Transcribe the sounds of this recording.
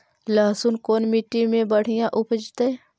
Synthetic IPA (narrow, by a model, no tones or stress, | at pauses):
laːsunkoːnmiʈːimẽbəɽ̤ijãʔʊpəd͡ʒt̪e